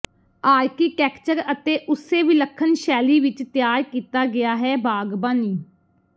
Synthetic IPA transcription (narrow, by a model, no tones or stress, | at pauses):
aːɾkiːkɛːkt͡ʃəɾət̪eːʔʊseːʋiːləkʰːənʃɛːliːʋɪt͡ʃt̪ɪjaːɾkiːt̪aːɡɪjaːɦɛːbʱaːɡbaːniː